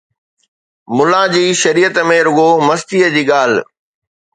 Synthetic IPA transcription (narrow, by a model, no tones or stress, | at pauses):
mʊlad͡ʑiːʃɐɾiːjət̪mẽɾʊɠomɐst̪iːəd͡ʑiːɠaːl̤